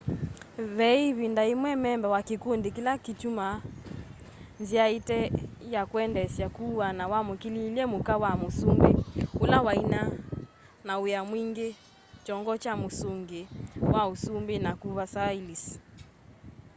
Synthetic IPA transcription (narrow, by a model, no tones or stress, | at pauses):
βɛiβindaimwɛmɛmbɛwakikundekilakituma | nziaitɛjakwɛndɛsjakuwanawamukililiɛmukawamosumbeulawaina | naujamwiŋɡe | t͡ʃɔŋɡɔt͡ʃamosuŋɡewʔausumbenakuβasailisi̥